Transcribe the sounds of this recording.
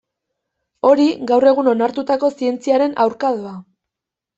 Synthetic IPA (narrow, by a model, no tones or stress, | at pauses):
o̞ɾiɡawre̞ɣuno̞naɾt̪ut̪ako̞sie̞nt͡siaɾe̞nawɾkaðoa